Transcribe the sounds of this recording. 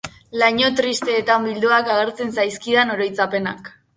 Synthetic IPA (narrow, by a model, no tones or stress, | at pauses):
laɲo̞t̪ɾist̪e̞ːt̪ambild̪uakaɣ̞e̞ɾt͡se̞nsajskiðano̞ɾo̞jt͡sape̞na̰k